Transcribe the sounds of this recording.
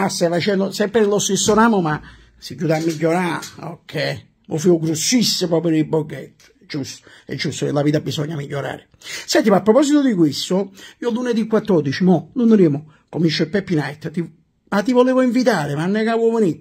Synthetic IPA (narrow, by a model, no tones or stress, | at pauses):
ast̪afat͡ʃɛnd̪ʊsɛmpɾenlost̪esːonaːmoma | siɟːuːt̪amːiʎːoɾaɔ̰kʰːɛ | mo̰fiʊɡɾusːisːɪpɾɔpeɾiboɡɛt̪ː | d͡ʒust̪o̥ | ɛ̰d͡ʒːust̪oḛlaviːt̪abisɔɲːamiʎːoɾa̰ːɾɪ | sɛnt̪imapːɾɔpɔsit̪od̪ikwist̪ʊiːoluned̪ikwat̪ːɔɾd̪it͡ʃimɔlunɾeːmʊ | komint͡ʃːoipɛpːinajt̪ːt̪i | mat̪ːivoleːvʊiɱvit̪aːɾɪmanːɛkawovoni